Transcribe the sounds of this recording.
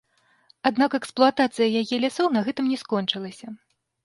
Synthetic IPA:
ad̪nakɛksplˠuat̪at̪sɨjɐjajɛlʲasɔwnɐɣɛt̪ɨmnʲɛskɔnt͡ʂɨlˠɐsʲɐ

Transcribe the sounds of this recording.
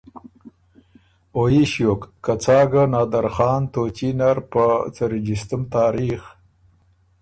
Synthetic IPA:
ojiʃjokːat͡sɑːɡanɑːd̪aɾxɑːnt̪ot͡ʃinaɾpət͡saɾid͡ʒist̪umt̪ɑːɾix

